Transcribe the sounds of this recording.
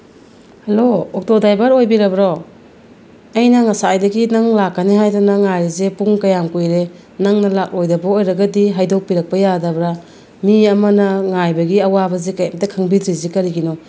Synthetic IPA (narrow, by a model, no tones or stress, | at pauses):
hɐloɔk̚todajbɐɾojbiɾɐbɾo | ɐjnɐŋasaːjdɐɡinaŋlakːaneɦajdanaŋajɾizepuŋkɐjamkujɾe | naŋnɐlak̚lojdɐbɐojɾɐɡɐdiɦajdok̚piɾɐk̚pɐjadɐbɾa | miɐmɐnɐŋajbɐɡiɐwabɐzekajamtakʰaŋbidɾizekɐɾiɡinɔ